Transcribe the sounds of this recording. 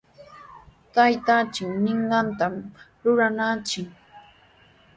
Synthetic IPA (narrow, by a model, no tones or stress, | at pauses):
t̪ajt̪at͡ʃɪknɪɴɢɑnt̪am | ɾʊɾanaːt͡ʃɪk